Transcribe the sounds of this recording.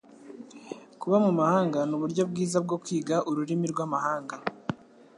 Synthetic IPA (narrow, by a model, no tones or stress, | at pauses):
kuβamumahaːŋɡanuβuɾɟo̞b̚ɡiːzab̚ɡo̞kwiːɡaʔuɾuɾimiɾɡwaːmahaːŋɡa